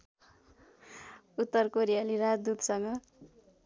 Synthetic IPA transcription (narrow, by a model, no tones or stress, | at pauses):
ut̪ːʌrkoɾijaliɾad͡zd̪ud̪ʱsʌŋɡʌ